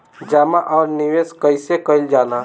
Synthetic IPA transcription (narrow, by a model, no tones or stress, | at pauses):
d͡ʒaːmaʔɔːɾniʋeːskəɪsekəɪld͡ʒaːlaː